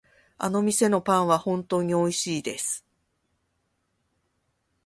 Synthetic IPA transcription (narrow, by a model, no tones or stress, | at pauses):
a̰no̞mʲise̞no̞pãɰ̃βahõ̞nt̪o̞ːɲ̟io̞iɕiːd̪e̞sɨ̥